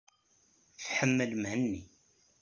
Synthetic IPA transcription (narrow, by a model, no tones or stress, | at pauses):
fħəmːəlmɦənːi